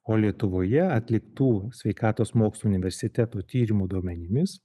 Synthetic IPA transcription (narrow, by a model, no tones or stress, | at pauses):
oːlʲiɛt̪ʊʋoːjɛɐt̪ʲlʲɪkt̪uːsʲʋʲɛɪkɑːt̪oːsmoːkslˠuʊnʲɪʋʲɛɾʲsʲɪt̪ʲæt̪oːt̪ʲiːɾʲɪmuːd̪uɔmʲɛnʲɪmʲɪs